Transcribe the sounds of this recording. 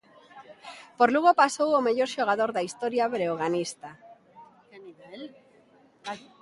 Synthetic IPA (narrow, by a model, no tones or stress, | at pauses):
poɾluɣopasowomeʎoɾʃoɣ̞aðoɾðaist̪oɾjaβɾeoɣ̞anist̪a